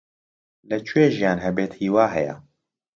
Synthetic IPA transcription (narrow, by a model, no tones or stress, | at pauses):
lɛt͡ʃʰueːʒijaːnɦɛbeːt̪hiːwaːɦɛjɛ̰